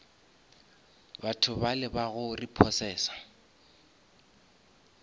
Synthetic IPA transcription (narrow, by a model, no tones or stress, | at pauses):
batʰʊbalɪbaɣʊripʰɔsɛːsḁ